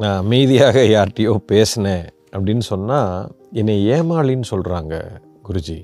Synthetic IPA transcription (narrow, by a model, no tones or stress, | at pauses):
nãːmiːðɪjaːɣɐjaːɾʈːɪjoːpeːsɐnẽː | ɐpːɐɽɪnːɯsɔnːaːɛnːeeːmaːɭɪnːɯsɔlɾaːŋɡɐ̰ | ɡʊɾʊd͡ʒi